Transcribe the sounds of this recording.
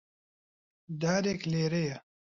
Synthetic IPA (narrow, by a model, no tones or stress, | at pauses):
d̪aːɾekleːɾejɐ